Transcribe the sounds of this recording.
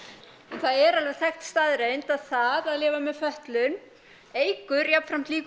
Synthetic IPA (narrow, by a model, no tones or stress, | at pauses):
ɛnθaðɛɾalvɛ̥θɛxt̪st̪aðɾejnt̪aðθaðaðlɪːvamɛðfœht̪lʏn | eːjkʏɾjapfɾam̥t̪liːk